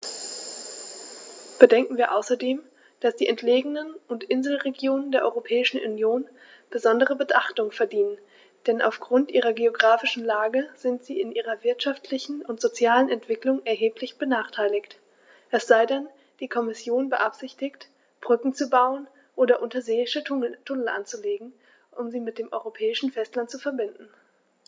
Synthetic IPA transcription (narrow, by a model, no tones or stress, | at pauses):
b̥ədɛŋkŋ̩viːɐʔaʊsɐdeːm | d̥asd̥iːʔɛntʰleːɡənənʔʊntʔɪnzl̩ʁeɡjoːnəndeːɐʔɔ̰ʏʁopʰɛːɪʃn̩ʔṵnjoːn | b̥əzɔndəʁəbətʔaχtʊŋfɛɐdiːnən | d̥ɛnʔa̰ʊfɡ̥ʁʊntʔiːʁ̞ɐɡeoɡʁaːfɪʃn̩laːɡəz̥ɪntz̥iːɪnʔiːʁɐvɪɐtʃaftʰlɪçn̩ʊntz̥ot͡sjaːlənɛntv̥ɪklʊŋɛɐɦeːpʰlɪçb̥ənaːχtʰaɪlɪçt | ʔɛsz̥aɪdan | d̥iːkʰɔmɪsjoːnbəʔapz̥ɪçtɪçt | b̥ʁʏkŋ̩t͡subaʊən | ʔoːdɐʔʊntɐzeːɪʃətʰʊnəl̩ʔa̰nt͡suleːɡŋ̩ | ʔʊmziːmɪt̚d̥eːmʔɔʏʁopʰɛːɪʃn̩fɛstlantt͡sufɛɐbɪndn̩